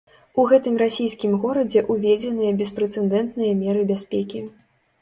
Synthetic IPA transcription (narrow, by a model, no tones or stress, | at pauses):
uɣɛt̪ɨmrasʲijskʲimɣɔɾɐd͡zʲɛʔuvʲɛd͡zʲɛnɨjɐbʲɛspɾɛt̪sɛnd̪ɛnt̪nɨjɐmʲɛɾɨbʲasʲpʲɛkʲi